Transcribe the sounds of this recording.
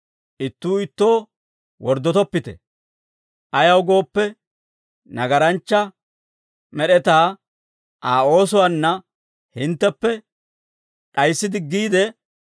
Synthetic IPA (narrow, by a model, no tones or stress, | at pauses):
ʔɪt̪ːuːɪt̪ːo̞ː | wɔɾd̪ɔt̪ɔpːɪt̪ɛ̰ | ʔɐjɐwɡo̞ːpːɛ | nɐɡɐɾɐnt͡ʃːɐ | mɛɗɛt̪aː | ʔaːo̞ːsʊwanːɐ | hɪnt̪ːɛpːɛ | ᶑɐjsːɪd̪ɪɡːiːd̪ɛ